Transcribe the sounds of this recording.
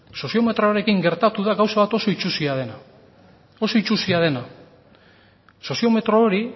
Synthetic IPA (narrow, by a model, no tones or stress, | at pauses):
so̞sio̞me̞t̪ɾo̞aɾe̞kiŋɡe̞ɾt̪at̪uðaɡawsaβat̪o̞so̞it͡ʃusiað̞e̞na | o̞so̞it͡ʃusiað̞e̞na | so̞sio̞me̞t̪ɾoːɾi